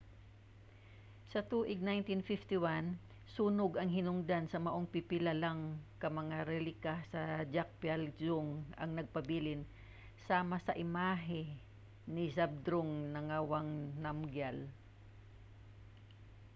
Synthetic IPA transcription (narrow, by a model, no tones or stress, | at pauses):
sɐt̪uːʔɪɡ̚najnt̪infift̪ɪwan | suːnʊɡɐŋhɪnʊŋd̪ansɐmɐʔoŋpɪpɪlalaŋkɐmɐŋaɾɛlɪkasɐd͡ʒak̚pjald͡ʒʊŋɐ̰ŋnɐɡ̚pɐbiːlɪn | saːmasɐʔɪmaːɦɪ | nɪsab̚d̪ɾoŋnɐŋawaŋnamɡjal